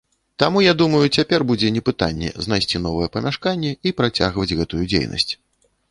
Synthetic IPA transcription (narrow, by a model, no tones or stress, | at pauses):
t̪amujad̪umɐjut͡sʲapʲɛrbud͡zʲɛnʲɛpɨt̪anʲːɛ̰znajsʲt͡sʲin̪ɔvɐjɛpɐmʲaʂkanʲːɛipɾat͡sʲa̰ɣvɐd͡zʲɣɛt̪ujud͡zʲḛjnɐ̰sʲt͡sʲ